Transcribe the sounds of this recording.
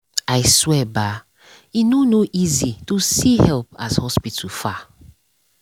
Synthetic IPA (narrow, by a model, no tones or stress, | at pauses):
ajswɛba | inonoʔizitusihɛlp̚ashɔspitufa